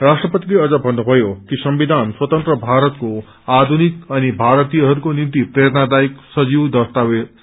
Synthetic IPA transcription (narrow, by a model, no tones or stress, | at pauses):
rasʈrʌpʌt̪ileʌd͡zʌbʱʌnːubʱʌjokisʌmbid̪ʱanswʌt̪ʌnt̪rʌbʱaɾʌt̪ko | ad̪ʱunikʌnibʱaɾt̪ijʌɦʌɾukonimt̪iprʌjʌɾnad̪ajiksʌd͡ziwd̪ʌst̪awe